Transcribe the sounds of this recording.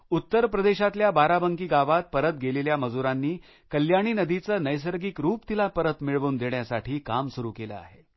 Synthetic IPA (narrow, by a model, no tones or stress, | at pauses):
ut̪ːəɾpɾəd̪eɕat̪ljabaɾabəŋkiːɡaʋat̪̚pəɾət̪̚ɡʱeleljaməd͡zuɾanːiː | kəljaɽ̃iːnəd̪it͡səːnəjs̬əɾɡikɾuːpt̪ilapəɾət̪miɭʋuːnd̪eɳjasaʈʰiːkamsuɾuːkelə̰a̰ɦe